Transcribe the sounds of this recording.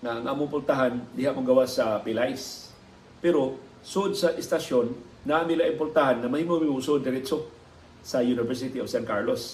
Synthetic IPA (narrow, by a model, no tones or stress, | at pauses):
ŋaʔaŋʔaːmʊmpʊɾt̪aɦand̪ɪɦaʔmoɡɐwaʔsapɪlajs | pɛɾo | sʊʔod̪̚saʔɪst̪aʃonː | aʔamɪlaʔɪmpʊɾt̪aɦanŋɐmahiːmoɐmimosʔod̪̚ɡɪɾɛt͡ʃo | sɐjunɪvɛɹs̬ɪt̪iofsankaɹlos